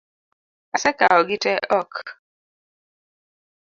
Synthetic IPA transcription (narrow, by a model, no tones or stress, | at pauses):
asɛka̰ɔɡitɛʔɔk